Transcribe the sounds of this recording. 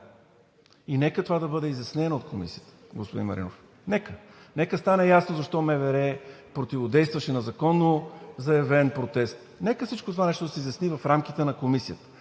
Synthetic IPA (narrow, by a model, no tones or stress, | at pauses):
inɛkət̪ovad̪ɐbɤd̪ɛizjɐsnɛnɐot̪kʰomḭsijət̪ə̥ɡospod̪ḭnmɐ̰ɾʔḭno̰f | nɛkənɛkəst̪anɛjasnozɐʃt̪ɔmɛvɛɾɛpɾot̪ivod̪ɛjst̪vɐʃɛnɐzɐkɔnːozɐjɛvɛnpɾot̪ɛst̪ | nɛkəfsit͡ʃkot̪ovanɛʃt̪od̪ɐsɛizʲjɐsnivɐfɾamk̟it̪ɛnɐkomisijət̪ə̥